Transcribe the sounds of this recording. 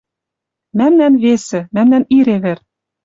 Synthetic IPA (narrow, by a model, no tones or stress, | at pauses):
mæmnænβesɘ̆mæmnæniɾeβĕr